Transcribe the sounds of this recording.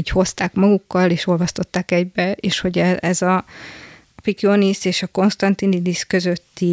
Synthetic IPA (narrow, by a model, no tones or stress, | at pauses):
ɟho̞st̪aːkmɒɡukːɒleːʃo̞lvɒst̪o̞t̪ːaːkɛɟbɛḛːʃho̞ɟɛɛzɒ | fikioniseːʃɒko̞nst̪ɒnt̪inid̪iskø̞zø̞t̪ːi